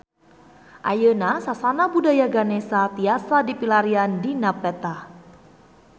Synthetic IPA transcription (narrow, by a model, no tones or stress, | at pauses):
ʔajənasasanabudajaɡanesat̪iasadipilaɾiandinapɛt̪ah